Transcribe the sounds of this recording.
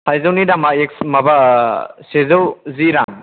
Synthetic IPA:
pʰajzawnidamaeksmɐbasezawziɾaŋ

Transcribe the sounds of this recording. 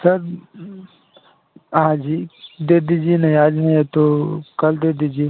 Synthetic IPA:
sɐɾ | ɦãd͡ʒiːd̪eːd̪id͡ʒienɐɦĩaːd͡ʒnɐɦĩet̪okɐld̪eːd̪id͡ʒie

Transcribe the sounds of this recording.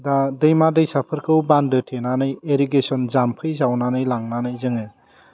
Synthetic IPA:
dadɯjmadɯjsapʰɯɾkʰɯwbandɯtʰenanɯjeɾiɡesɔnzampʰɯjzawnanɯjlaŋnanɯjzɯŋe

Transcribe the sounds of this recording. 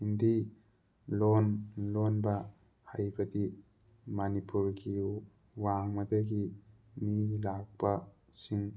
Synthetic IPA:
hindi | lonlonbɐ | hajbɐdi | mɐnipuɾɡi | waŋmɐdɐɡi | milak̚pɐ | siŋ

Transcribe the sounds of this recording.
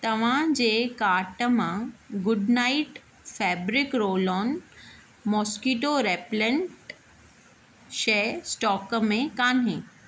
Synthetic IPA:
t̪ɐʋ̤ãd͡ʑeːkaːʈəmãɡʊɖnaiʈ | fɛːbɾɪkɾoːlɔːn | mɔːskiːʈoɾeːplə̃ɳʈ | ʃeːsʈɔːkmẽkaːnɦẽː

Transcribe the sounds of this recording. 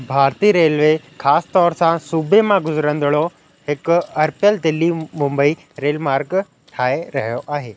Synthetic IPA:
bʱaːɾt̪iɾeːlʋe | xaːsɪ̥t̪ɔːɾsãsuːbemãɡʊzɾə̃nd̪ɪɭo | hɪkʊɐɾpjəld̪ɪlːimʊ̃mbəi | ɾeːlmaːɾk | ʈʰaːeɾɐɦijoʔaːɦeː

